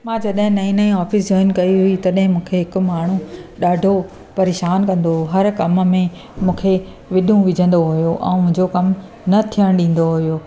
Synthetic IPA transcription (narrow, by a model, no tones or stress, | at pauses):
mãːd͡ʑɐɗɦɪ̃nɐĩnəĩaːfɪs̬d͡ʑɔːɪnkɐiɦʊit̪ɐɗɦɪ̃mũːkʰeɦɪkʊ̆maːɳ̤ũɗaːɖʱo | pɐɾeːʃaːnkɐ̃nd̪ooɦɐɾkɐmmẽ | mũːkʰe | ʋɪɗũʋɪd͡ʑʱə̃nd̪oɦʊjoʔɛ̰̃ːmʊ̃ɦɪ̃ɲd͡ʑokɐm | nɐt̪ʰijəɽ̃ɗĩːn̆d̪oɦujoː